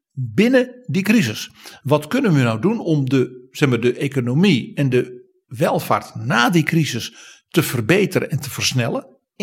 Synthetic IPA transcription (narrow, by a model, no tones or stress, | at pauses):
bɪnədikrizəsʋɔtkønənʋənawdunɔmdəsɛmaːdəʔekonomiɛndə | ʋɛlˠfa̰ːrtnaːdikrizəstəv̥ərbeːtərə̰nɛntʰəfərsnɛlˠə